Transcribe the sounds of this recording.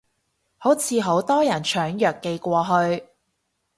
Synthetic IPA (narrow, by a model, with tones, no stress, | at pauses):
ho˨˥wt͡sʰiː˨˧ɦo˨˥wt̪ɔː˥jɐ˨˩nt͡ʃʰœː˨˥ŋjœː˨kːe˧jkʷɔː˧ɦɵ˧ɥ